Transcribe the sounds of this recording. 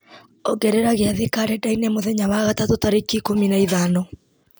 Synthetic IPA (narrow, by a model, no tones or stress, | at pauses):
ɔɡɛɾeɾaɣeaðikaɾɛdainemoðɛɲawaɣatatotaɾekikominaiðanɔ